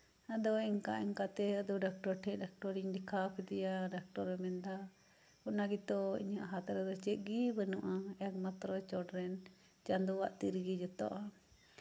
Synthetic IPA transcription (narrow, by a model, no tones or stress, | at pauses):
ad̪ɔɛŋka̰ʔiŋkat̪ɛəd̪ɔɖak̚ʈɔɾʈʰɛ̃ʔ̚ɖak̚ʈɔɾiŋd̪ikʰapʰɛd̪ɛjaɖak̚ʈɔɾɛmɛnd̪a | unaɡit̪ɔḭɲaʔɦat̪aɾɛd̪ɔt͡ʃɛʔ̪̚ɡibənɔʔaɛk̚mat̪ɾɔt͡ʃɔɖɾɛn | t͡ʃand̪uwaʔt̪iɾɡid͡ʒɔt̪ɔ̰ʔa